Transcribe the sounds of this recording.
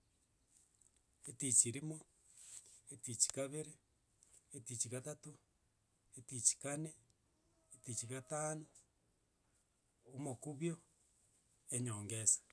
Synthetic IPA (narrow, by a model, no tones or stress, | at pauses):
etit͡ʃiɾimo | etit͡ʃi̥kaβeɾeː | tit͡ʃiɣatato | etit͡ʃi̥kane | etit͡ʃiɣataːno | omokuβjo | eɲoːŋɡesḁ